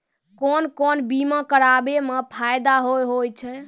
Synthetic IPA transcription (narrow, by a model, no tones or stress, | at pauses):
konkonbimakəɾabemepʰajd̪aɦojɦojt͡ʃʰɛ